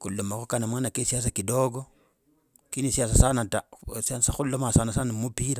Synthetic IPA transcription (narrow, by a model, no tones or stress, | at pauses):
kulːomakokanamwanakesias̬akidoɡo | kinisias̬asanatasasaxulːomasanasanamupiɾa